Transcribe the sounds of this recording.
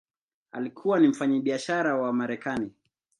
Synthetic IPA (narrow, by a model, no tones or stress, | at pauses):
a̰likʰuwanim̩faɲaɓiaʃaɾawamaɾɛkani